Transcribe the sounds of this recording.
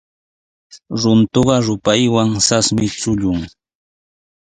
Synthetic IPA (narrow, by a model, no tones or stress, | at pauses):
ɾʊnt̪oɢɑɾʊpajwaŋsasmɪt͡sʊʎʊŋ